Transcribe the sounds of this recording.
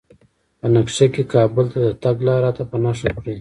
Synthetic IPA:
pənakʂekekɑbʊlt̪ad̪ət̪aɡlɑɾɑt̪apənɑʂakɽi

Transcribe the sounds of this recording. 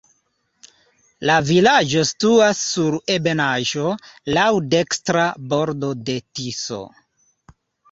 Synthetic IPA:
lavilad͡ʒo̞stuasːuɾe̞be̞naʒo̞lawde̞kstɾabo̞ɾdo̞de̞tiso̰

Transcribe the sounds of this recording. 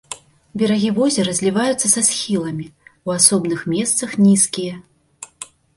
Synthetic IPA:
bʲɛɾaɣʲivɔzʲɛɾɐzʲlʲivajut̪sːɐsasxʲilˠɐmʲiwasɔbnɨxmʲɛst̪sɐxnʲiskʲijɛ

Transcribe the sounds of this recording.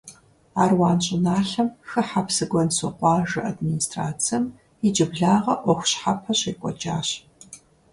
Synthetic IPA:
aːrwɑːnɕʼɪnaːɬɐmxɨħapsɨɡʷɔnsʊqʷɑːʒɨʔadministʰʼra̰ːt͡sʰjɐm | id͡ʒɪbɮaːʁɐʔʷɔxʷɕħapʰɐɕejkʷʼɔ̰d͡ʒaːɕ

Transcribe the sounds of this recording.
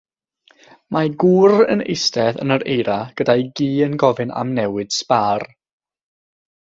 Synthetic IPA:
mʔaɡuːrə̰nḛjstɛðə̰nəɾejɾaɡ̥ədajɡiːənɡɔvɨna̰mnɛwɨd̥spar

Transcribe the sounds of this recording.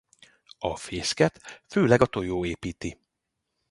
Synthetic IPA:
ɒfeːskɛt̪føːlɛɡɒt̪o̞joːeːpiːt̪i

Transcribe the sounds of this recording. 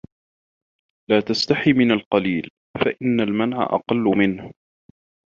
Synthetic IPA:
laːt̪ast̪aħimɪnalqɑliːl | faʔɪnːalmanʕa̰ʔɑ̰qɑlːʊmɪnh

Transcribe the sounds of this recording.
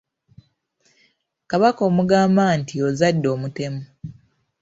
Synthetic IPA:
kaβako̞ːmuɡaːmbantio̞zadːo̞ːmute̞mu

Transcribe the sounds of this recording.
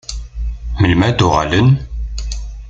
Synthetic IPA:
məlmæd̪uʁæ̰lən

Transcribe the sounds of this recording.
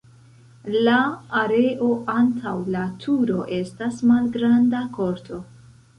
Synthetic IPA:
laːɾe̞ʔo̞ʔantʰawlatʰuɾo̞ʔe̞stasmalɡɾandako̞ɾtʰo̞

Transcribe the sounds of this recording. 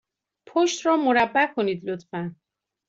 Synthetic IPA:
pʰoʃt̪rɒːmoɾæbːækʰo̞niːd̪lot̪fæn

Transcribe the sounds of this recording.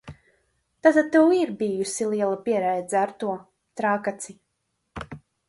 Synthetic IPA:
t̪at̪ad̪̚t̪ːɛwiɾbijusilˠiɛlˠapiɛɾɛjd̪zaɾt̪uɔ | t̪ɾaːkat̪si

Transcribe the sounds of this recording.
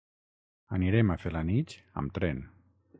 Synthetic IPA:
aniɾemafelanit͡ʃ | ə̰mt̪ɾɛn

